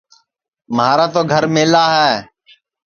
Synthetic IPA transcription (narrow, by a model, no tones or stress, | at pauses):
mɦaːɾaːt̪oːɡʱəɾmeːlaːɦɛː